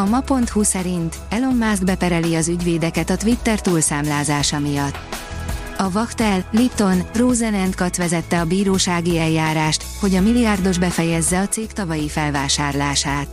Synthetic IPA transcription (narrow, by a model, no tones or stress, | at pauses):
ɒmɒpo̞nt̪husɛɾint̪ | ɛlo̞mːaːzɡ̪bɛpɛɾɛliɒzyɟveːd̪ɛkɛt̪ɒt̪ʋit̪ːɛrt̪uːlsaːmlaːzaːʃɒmijɒt̪ː | ɒvɒkt̪ɛlːipt̪o̞nroːzɛnɛnt̪kɒt̪ʋɛzɛt̪ːɛɒbiːɾoːʃaːɡiɛljːaːɾaːʃt̪ho̞ɟɒmilijard̪o̞ʒbɛfɛjɛzːɛɒt̪seːkt̪ɒvɒjifɛlvaːʃaːrlaːʃaːt̪